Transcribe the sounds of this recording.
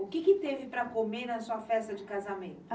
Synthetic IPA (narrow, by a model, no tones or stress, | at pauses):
ʊkɪkɪt̪evɪpɾɐkomenɐsuɐfɛst̪ɐd͡ʒɪkazamẽnt̪ʊ